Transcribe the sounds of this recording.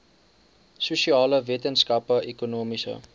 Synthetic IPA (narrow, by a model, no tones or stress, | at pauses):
susiɑːləvetənskɐpəʔekunoːmisə̰